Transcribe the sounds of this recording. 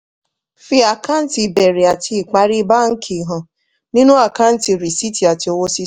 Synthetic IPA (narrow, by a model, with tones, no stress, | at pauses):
fi˧a˨ka˦n̩˦ti˨be˨ɾe˨a˨tʰi˦˧i˨k͡pa˨ɾi˦ba˦ŋ̩˦kʰi˨ɦɔ̃˨ | nĩ˦nũ˦a˦˨ka˦n̩˦ti˧˨ɾi˨si˦ti˨a˨ti˨o˧wo˦si˦